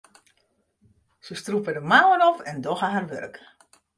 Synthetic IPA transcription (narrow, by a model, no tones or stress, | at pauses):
səstrupədəmaːwənɔfɛndɔɣəɦarʋø̰rk